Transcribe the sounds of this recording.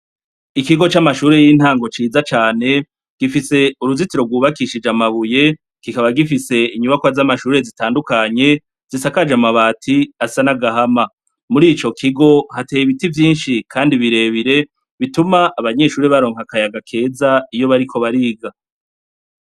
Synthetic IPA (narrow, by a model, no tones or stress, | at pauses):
ikiɡo̞t͡ʃamaʃuːɾe̞jiːn̥haːŋɡo̞t͡ʃiːzat͡ʃaːne̞ | ɡ̥ifise̞uɾuzitiɾo̞ɡuːβakiʃid͡ʒamaβuje̞ | ɡ̥ikaβaɡifise̞iɲuβakwazamaʃuːɾe̞zitaːndukaɲe̞ | z̥isakad͡ʒamaβaːtʰiasanaɡaɦama | muɾiːt͡ʃo̞kʰiɡo̞hateːjiβitivjiːnʃikʰaːndiβiɾe̞βiɾe̞ | βitumaʔaβaɲe̞ːʃuːɾiβaɾo̞ːŋ̥hakajaɡakʰe̞ːzaijo̞βaɾikʰo̞βaɾiɡa